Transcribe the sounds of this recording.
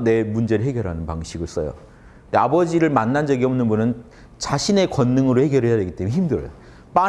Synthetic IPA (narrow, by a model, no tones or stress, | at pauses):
ne̞mund͡ʑe̞ɾɯɭɦe̞ɡjʌɾɦanɯnpaŋɕʰiɡɯɭs͈ʌ̰jo̰ | ndeabʌd͡ʑiɾɯɭmanːand͡ʑʌɡiʌmnɯnbunɯn | t͡ɕaɕʰine̞kwʌnːɯŋɯɾohe̞ɡjʌɾɦejade̞ɡit͈emeçʰimdɯɾʌjo̰ | p͈a